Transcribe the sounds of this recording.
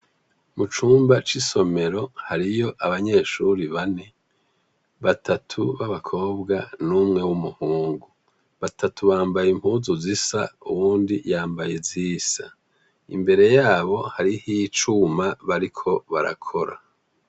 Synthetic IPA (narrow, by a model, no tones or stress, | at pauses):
mut͡ʃuːmbat͡ʃiso̞me̞ɾo̞haɾijo̞ʔaβaɲe̞ːʃuɾiβane̞ | βatʰatʰuβaβakʰo̞ːbɡanuːmŋe̞wumuhuːŋɡu | βatʰatʰuβaːmbajimphuːzuzisa̰ṵβuːndijaːmbajeziːz̥a | ḭmbe̞ɾe̞jaːβo̞haɾihiːt͡ʃumaβaɾikʰo̞βaɾa̰kʰo̞ɾa̰